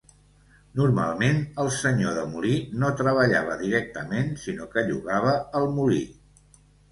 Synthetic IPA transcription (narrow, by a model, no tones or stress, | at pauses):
nurma̰lˠmenəlˠsəɲoðəmulinot̪ɾəβ̞əʎa̰β̞əðiɾɛk̚t̪əmensinokəʎṵɣaβ̞əəlˠmulḭ